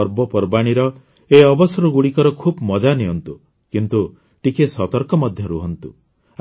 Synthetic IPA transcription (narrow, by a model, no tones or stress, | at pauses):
ɔɾbɔpɔɾbaɽ̃iɾɔ | eɔbɔsɔɾɔɡuɽikɔɾɔkʰubmɔd͡ʒaneɦɔnt̪u | kint̪u | ʈikesɔt̪ɔɾkɔmɔd̪ʱjɔɾuɦɔnt̪ṵ